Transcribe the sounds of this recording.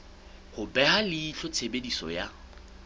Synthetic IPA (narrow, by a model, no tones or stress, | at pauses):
hʊbɛalɪit͡ɬʰɔt͡sʰebedisɔ̰ja